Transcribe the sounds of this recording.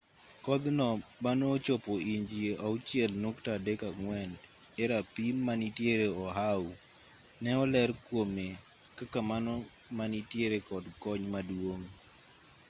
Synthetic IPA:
kɔd̪nɔmanoːt͡ʃopoiɲd͡ʒieaʊt͡ʃɪɛlnoktadekaŋwɛneɾapimːanitjeɾeɔɦawu | nɛɔlɛɾkwomekakamanɔmanitjeɾekɔdkɔɲmadwoŋ

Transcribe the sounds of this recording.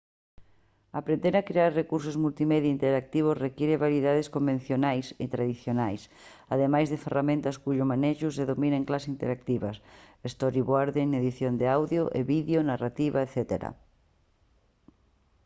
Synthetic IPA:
apɾend̪eɾakɾeaɾrekuɾsʊzmult̪imeðjaint̪eɾak̚t̪iβ̞osrekiɾeβaɾjiðaðeskombẽn̟θjonajsɪ̰t̪ɾaðiθjonajs | aðemajzðɪferamẽnt̪askuʎʊmaneʃʊseðomĩneŋklasint̪eɾak̚t̪iβasest̪oɾiβwaɾðeneðiθjond̪eawðjoʔeβiðjonarat̪iβaeθɛt̪eɾa̰

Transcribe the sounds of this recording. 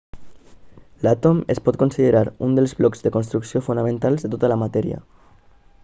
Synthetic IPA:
lat̪omespɔt̪̚konsið̞eɾaɾund̪elzβlɔkzðekonst̪ɾuksiofunamẽnt̪alzðet̪ot̪alamat̪ɛɾj̰a̰

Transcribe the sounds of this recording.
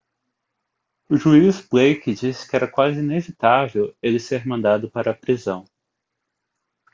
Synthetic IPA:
ʊʒuizbejkɪd͡ʒisɪ̥kɪɛɾɐkwazɪinevit̪avewelɪseɾmɐ̃nd̪ad̪ʊpaɾɐːpɾizɐ̃w̃

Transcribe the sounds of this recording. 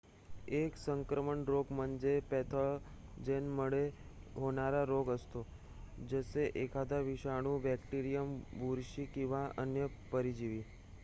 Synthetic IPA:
eksəŋkɾəməɳɾoɡmənd͡ʒepɛt̪ʰəɭ | d͡ʒenməɭe | ɦonaɾaɾoɡəst̪o | d͡ʒəseʔekʰad̪aʋiʃaɽ̃ũbɛkʈiɾijəmbuɾʃikiʋaənjəpəɾid͡ʒiʋi

